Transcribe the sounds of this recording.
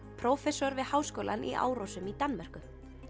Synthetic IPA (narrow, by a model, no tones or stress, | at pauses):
pʰɾowfɛsɔɾvɪðhaːwskowlʔa̰nʔḭʔa̰ːwɾowsʏmit̪anːmar̥kʏ